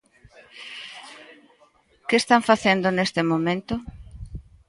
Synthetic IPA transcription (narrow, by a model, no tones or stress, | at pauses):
keest̪aɱfaθend̪ʊnest̪ɪmomẽnt̪ʊ